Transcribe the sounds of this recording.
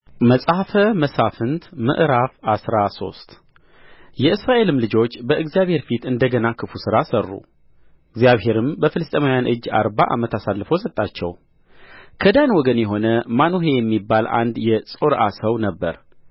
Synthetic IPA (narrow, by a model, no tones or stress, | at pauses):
məsʼhfəməsafɨnt̪mɨ̰ʔɾafasɾaso̞̰st̪ | jɛɨsɾaʔe̞lɨmlɨd͡ʒo̞t͡ʃːbəɨɡzijaβhe̞ɾfit̪ɨnd̪əɡənakʰɨfusɨɾasərːṵ | ɨɡzijaβhe̞ɾɨmbəfɨlɨst̪ʼemawjanʔɨd͡ʒːa̰ɾbaʔa̰mət̪asalːəfəwsət̪ʼːat͡ʃːɛ̰w | kʰəd̪anwɔɡənjɛɦo̞nəmanuɦejɛmːibːalʔa̰nd̪jɛsʼoɾʔasəwnəbːəɾ